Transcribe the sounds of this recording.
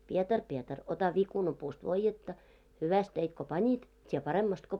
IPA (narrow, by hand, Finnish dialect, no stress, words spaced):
pietɑr pietɑr otɑ ʋikunɑpuːst ʋoijːetːɑ hyʋæst teit ko pɑnʲit tʲie pɑremːɑst ko